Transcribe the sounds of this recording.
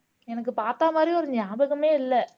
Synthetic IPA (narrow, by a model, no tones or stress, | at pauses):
ɛnɐk̬ːɯpaːɾt̪aːmaːd̪ɾiɔɾɯɲaːbɯkːɯmeːɪlːɛ